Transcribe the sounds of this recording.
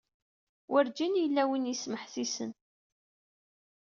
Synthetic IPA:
wʔəɾd͡ʒinjəlːæwinjisməħθisə̰n

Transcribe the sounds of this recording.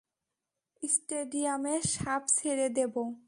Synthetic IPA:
isʈeɖiameʃapsʰeɾed̪ebo

